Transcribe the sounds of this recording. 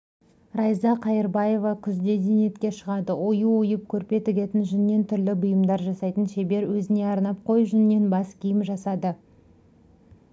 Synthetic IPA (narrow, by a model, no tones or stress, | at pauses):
rɑjzɑqʰɑjəɾbɑje̞vɑkʲʰʏzd̪e̞d̪enie̞t̪kʲe̞ʃəʁɑd̪əojuʊjəp̚kʲʰɵɾpe̞t̪ɪɡʲe̞t̪ɪnʒʏnɪːe̞nt̪ʰʏɾlɪbʊjəmd̪ɑɾʒɑsɑjt̪ənʃe̞be̞ɾwɵzɪne̞ɑɾnɑp̚qʰo̞jʒʏnɪːe̞nbɑskʲʰijɪmʒɑsɑd̪ə